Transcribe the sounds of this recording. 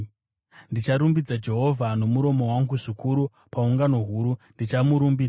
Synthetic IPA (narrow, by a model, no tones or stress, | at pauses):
ndit͡ʃaɾumbid͡zad͡ʒe̞ɦo̞vʱano̞muɾo̞mo̞waŋɡuʐikʰuɾu | pauŋɡano̞ɦuːɾundit͡ʃamuɾumbiːd͡za